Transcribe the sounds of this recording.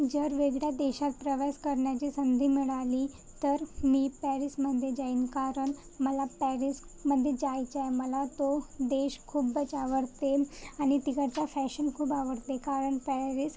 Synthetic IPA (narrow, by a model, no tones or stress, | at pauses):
d͡ʑəɾʋeɡɽjad̪eːʃat̪̚pɾəʋaskəɾɳjat͡ɕisənd̪ʱimiɭali | t̪əɾmipɛɾisməd̪ʱjed͡ʑainkaːɾəɳ | məlapɛɾis | məd̪ʱːjed͡ʑaːit͡ɕajməlat̪od̪eːʃkʰuːbət͡ɕaʋəɾt̪eañit̪iɡəɽt͡safɛʃənkʰuːbaʋəɾt̪ekaːɾəɳpɛɾis